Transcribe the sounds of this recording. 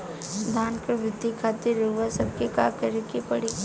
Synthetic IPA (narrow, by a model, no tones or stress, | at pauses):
d̪ʱaːnkəʋɪd̪ʱikʰaːt̪iɾːɐɦuasɐb̚keka̰ːkəɾekepɐɽi